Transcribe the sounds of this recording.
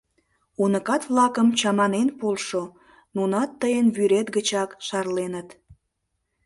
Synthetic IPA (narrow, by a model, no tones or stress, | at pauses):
unəkɑt̪βlɑkəmt͡ɕɑmɑnenpolʃo | nunɑt̪ːəjənβyɾet̪ɡət͡ɕɑkʃɑrlenət̪